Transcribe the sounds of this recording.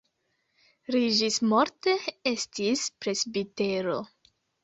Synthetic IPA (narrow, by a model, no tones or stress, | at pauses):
ɾiʒismoɾteestispɾe̞zbite̞ɾo̞